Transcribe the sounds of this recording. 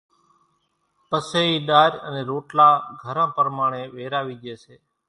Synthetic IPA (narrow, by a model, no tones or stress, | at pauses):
pəseiɗ̪aːɾə̰neɾoʈlaːɡʱəɾãːpəɾmaːɳ̃eʋeːɾaːʋid͡ʒeːt͡ʃʰeː